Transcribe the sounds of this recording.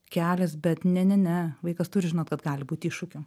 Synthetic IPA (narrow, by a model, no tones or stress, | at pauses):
kʲæːlʲɛs̬bʲɛt̪nʲɛnʲɛnʲɛʋɐɪkɐst̪ʊɾʲɪʒʲɪnoːtkɐt̪ɡɑːlʲɪbuːt̪ʲiːʃʊkʲo